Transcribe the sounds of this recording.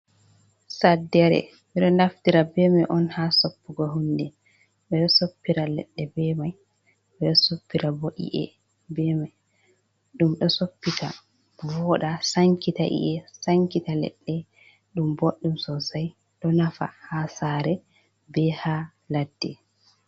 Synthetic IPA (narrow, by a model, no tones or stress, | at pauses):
sadːɛɾɛ̰ | miɗɔndaftiɾabɛmɛʔɔnhasopːuɡɔɦundɛ | ɓɛɗɔsopːiɾalɛɗːɛbɛmaj | ɓɛɗɔsopːiɾaboʔḭʔɛ̰ | bɛmaj | ɗumɗɔsopːita | bɔɗasaŋkitaʔḭʔɛsaŋkitalɛ̰ɗːɛ | ɗumboɗːumsɔsaj | ɗɔnafa̰hasaɾɛ | bɛha | ladːɛ